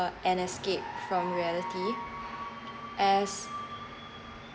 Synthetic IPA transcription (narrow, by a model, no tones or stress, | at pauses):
əɛ̃nɛskep̚fɹɔ̃mɹiɛliti | ʔɛs